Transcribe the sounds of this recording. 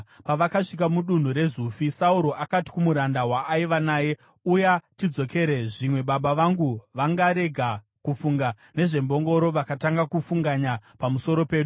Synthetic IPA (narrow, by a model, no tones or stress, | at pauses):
paʋakaʂik̬amuɗun̤uɾe̞zufisauɾo̞ʔakati̥kumuɾandawaːiʋanaːje̞ | ujatid͡zo̞ke̞ɾe̞ʐimwe̞ɓaɓaʋaŋɡuʋaŋɡaɾe̞ɡʱa | kufuŋɡa | ne̞ʐe̞mbo̞ŋɡo̞ɾo̞ʋakataŋɡakufuŋɡaɲapamuso̞ɾo̞pe̞ːɗu